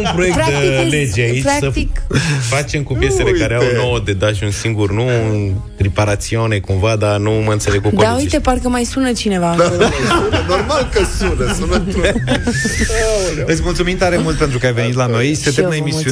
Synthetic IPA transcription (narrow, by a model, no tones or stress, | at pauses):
umpɾoek̪̚d̪led͡ʒeait͡ʃpɾaksət̪ikfat͡ʃe̞mkupje̞selekaɾeawno̞wəd̪ed̪aʃiunsiŋɡurnunt̪ɾipaɾat̪sio̞ne̞kumvad̪anuməɨnt̪se̞leɡkukod̪aujt̪eparkəmajsunət͡ʃine̞va | unənormalkəsunəsunə | ɨt̪sʲmult̪sumint̪aɾemult̪pe̞nt̪ɾukəajve̞nit̪lano̞jset̪enaemisiu